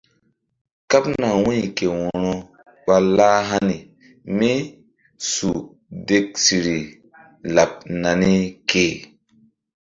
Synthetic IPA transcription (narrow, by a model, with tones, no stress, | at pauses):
ka˦pna˨wĩ˦˨ke˨wɔ̃˨ɾɔ˦ | ɓa˦la˦ɦa˦ni˨ | mi˦ | su˨ | de˦k̚si˨ɾi˨ | la˨p̚na˨ni˦ke˨